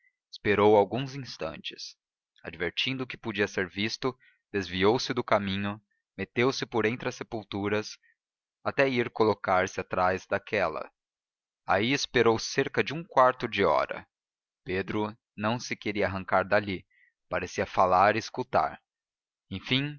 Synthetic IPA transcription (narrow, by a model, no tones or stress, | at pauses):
ɪ̥speɾowawɡũzĩst̪ɐ̰̃nt͡ʃɪ̥s | a̰d͡ʒveɾt͡ʃĩnd̪ʊkɪ̥pod͡ʒiɐseɾvist̪ʊ | d̪̥ezviowsɪd̪ʊkamĩɲʊ | met̪ewsɪpoɾẽñt̪ɾɪɐsepuwt̪uɾɐs | at̪ɛiɾkolokaɾsɪat̪ɾajzd̪akʰɛlɐ̰ | a̰iɪspeɾowseɾkɐd͡ʒɪũkwaɾt̪ʊd͡ʒɪɔ̰ɾɐ̰ | ped̪ɾʊ | nɐ̃w̃sɪkeɾiɐaːɦɐ̃ŋkaɾd̪ali | paɾesiɐfalaɾɪːskut̪a̰ɾ | ẽj̃fĩ